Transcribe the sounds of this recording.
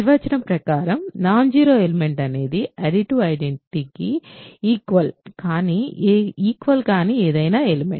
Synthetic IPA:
ʋɐt͡ʃɐnɐmpɾɐkaːɾɐmnaːɲd͡ʒiːɾoːelime̞ɳʈɐne̞ːd̪iɐɾiʈuːɐjɖeɳʈiʈikiiːkʋɐlkaːniiːkʋɐlkaːniːeːd̪ɐjnaːelimḛɳ

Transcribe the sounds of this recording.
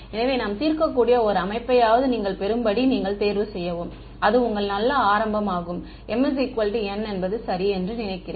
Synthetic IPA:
ɛnɐʋeːnaːmt̪iːɾkɐkːuːɽɪjɐɔɾɯɐmɐɪpːɐjaːʋɐðɯniːŋɡɐɭpɛɾɯmbɐɽiniːŋɡɐɭt̪eːɾʋɯsɛjːɐʋɯm | ɐðɯʊŋɡɐɭnɐlːɐaːɾɐmbɐmaːɣɯm | ɛmːɐs̬ikʋɐlʈɛnːɛnbɐðɯsɐɾiɛndrɯnɪnɐɪkːɪreː

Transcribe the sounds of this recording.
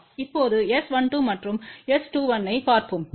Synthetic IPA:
ɪpːoːðɯɛsʋɐɳʈuːmɐʈrɯmɛsʈuːʋɐnːɐɪpaːɾpɯm

